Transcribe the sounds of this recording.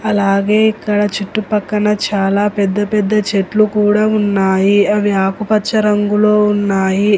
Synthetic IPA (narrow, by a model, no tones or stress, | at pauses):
ɐlaːɡeːikːɐɽɐt͡ʃiʈːupɐkːɐnɐt͡ʃaːlaːpɛd̪ːɐpɛd̪ːɐt͡ʃe̞ʈlukuːɽaːunːaːjiɐʋiaːpupɐt͡ʃːɐɾɐŋɡulo̞ːunːaːji